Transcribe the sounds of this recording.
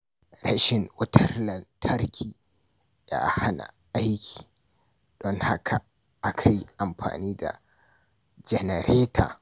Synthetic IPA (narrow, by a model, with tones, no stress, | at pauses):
ɾa˦ʃɪ˨ŋwɐ˦tʰɐ˦rlɐ˨ntʰɐ˦ɾkʲʰiː˨ | ja̰˦ha˦na̰˨ʔa˦jkʲʰi̥ː˨ | ɗ̥ɔ˦ŋha˦kʰa˨ | ʔa˦kʰa˨ji˦ʔa˨mɸa̰ː˨niː˦da̰˨ | d͡ʒɛ˨nɛ˨ɾʔeː˦tʰa̰ː˨